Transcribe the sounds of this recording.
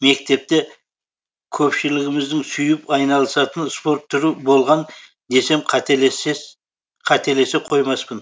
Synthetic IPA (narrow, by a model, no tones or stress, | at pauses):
me̞k̚t̪e̞p̚t̪e | kʲʰɵpʃɪlɪɡʲɪmɪzd̪ɪŋsʏjɪpɑjnɑlˠəsɑt̪ənspo̞ɾt̪ʰːʏɾubo̞lˠʁɑn | d̪e̞se̞mqʰɑt̪ee | qʰɑt̪e̞le̞se̞qʰo̞jmɑspən